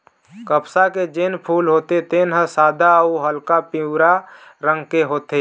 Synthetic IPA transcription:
kəpsaked͡ʒeːnpʰuːlɦoːt̪et̪eːnɦəsaːd̪ʱauɦəlkapiwɾaɾə̃ŋɡkeɦoːt̪e

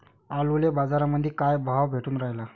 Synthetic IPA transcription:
alʋlebad͡zaɾaməd̪ʱːjekajbʱaʋbʱeʈuːnɾaɦla

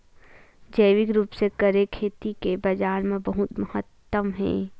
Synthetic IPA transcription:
d͡ʒɐɪʋɪkɾuːpsekəɾekʰeːt̪ikebɐd͡ʒaːɾmẽbɐɦʊt̪mɐhət̪ːəmɦɛ̰̃ː

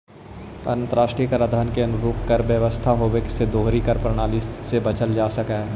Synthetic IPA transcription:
ɐ̰ɾə̃nt̪əɾaːʃʈɾijkaɾəd̪ʱaːnkeɐnʊɾuːp̚kɐɾʋjəʋəst̪ʰaɦoːʋeksed̪oːɦɾikɐɾpɾəɽ̃aːlisebɐt͡ʃəld͡ʒaːsɐkaɦɛː

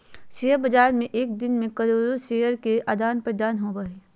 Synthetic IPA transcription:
ʃeːəɾbɐd͡ʒaːɾmẽʔeːk̚d̪ɪnmẽkɐɾoːɾoʃeːjəɾkeʔaːd̪aːnpɾəd̪aːnɦobaeː

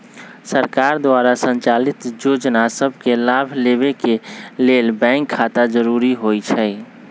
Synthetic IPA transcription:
səɾkaːɾd̪waːɾasə̃ɲt͡ʃaːlɪt̪joːd͡ʒnasəbʱkelaːbʱleːbekeleːlbɛ̃ːŋkʰːaːt̪ad͡ʒəɾuːɾiɦoːit͡ʃʰɛː

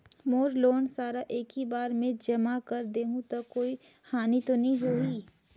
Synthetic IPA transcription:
moːɾloːnsaːɾaʔeːkɦibaːɾmẽd͡ʒɐmakɐɾd̪eːɦũt̪okoːi | xaːnit̪onɐɦĩɦoːiː

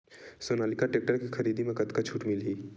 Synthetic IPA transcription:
soːnaːlɪkaʈeːk̚ʈəɾkixʰɐɾiːd̪imẽkɐt̪kat͡ʃʰuːʈmɪlɦiː

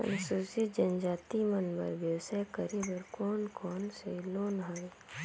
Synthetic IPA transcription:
ə̰nsusɪd͡ʒənd͡ʒaːt̪imənbə̰ɾbjəwsəkəɾebəɾkɔːnkɔːnseloːnɦoe

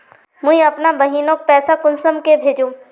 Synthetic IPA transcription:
mʊ̃ɦĩɐpnabɐɦiːnõk̚pɛːsakʊnsəmkebʱeːd͡ʒũː

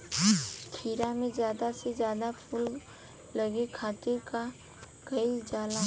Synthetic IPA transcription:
k̪ʰiːɾamẽd͡ʒjaːd̪ased͡ʒjaːd̪apʰuːl | lɐɡekʰaːt̪eka | kəɪld͡ʒaːla

